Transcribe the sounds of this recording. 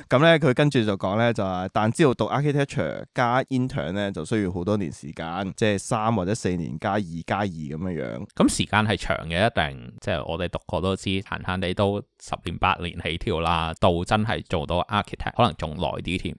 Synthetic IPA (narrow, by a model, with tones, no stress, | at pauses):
kɐ˨˧˥mlɛː˥kʰɵ˨˧ɥkɐ˥nt͡ʃyː˨˩t͡sɐ˨˩wkɔː˨˥ŋlɛː˥t͡sɐ˨wa˨t̪aː˨nt͡si˥o˨wt̪ʊ˨k̚ʔaː˥kʰi˥t̪ʰɛ˥t͡ʃʰœ̰ː˨˩kaː˥ʔiː˥nt̪ʰœ̰ː˨˩nlɛː˥t͡sɐ˨wsɵ˥jy˨˧wɦo˨˥wt̪ɔː˥nḭː˨˩nsḭː˨˩kaː˧nt͡sɛː˥˩saː˥mwaː˨t͡sɛː˨˥se˧jnḭː˨˩nkaː˥jiː˨˩kaː˥jiː˨˩kɐ˨˦mjœ˥ŋjœ̰ː˨˥ŋkɐ˨˥msiː˨˩kaː˧nɦɐ˨jt͡ʃʰœ̰ː˨˩ŋkɛː˧jɐ˥t̚t̪ɛ˨˩ŋt͡sɛː˥˩ʔɔ̰ː˨˧t̪e˨jt̪ʊ˨kkːɔː˧t̪o˥wt͡siː˥ha̰ː˨˩nhaː˥nt̪e˨˥jt̪o˥wsɐ˨p̚lḭː˨˩npa̰ː˧t̚lḭː˨˩nhe˨˥jt̪ʰiː˨˧wlaː˧t̪o˧wt͡sɐ˥nɦɐ̰˨jt͡ʃo˨˩wt̪ɔ˧˥ʔaː˥kʰi˥t̪ʰɛ̰ː˥˩hɔː˨˧˥lɐ˨˩ŋt͡sʊ˨˩ŋlɔ̰ː˨˩jt̪iː˥t̪ʰḭː˧m